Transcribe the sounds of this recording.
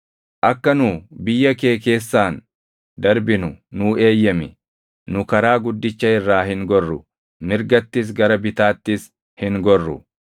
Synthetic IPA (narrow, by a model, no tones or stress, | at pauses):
ʔɐkːɐnʊːbɪjːɐke̞ːke̞ːsːaːn | d̪ɐɾbɪnʊnʊːe̞ːjːɐmɪ | nʊkɐɾaːɡʊd̪ːɪt͡ʃːɐɪrːaːhɪŋɡɔrːʊ | mɪɾɡɐt̪ːɪs̬ɡɐɾɐbɪt̪aːt̪ːɪs | hɪŋɡɔrːʊ̰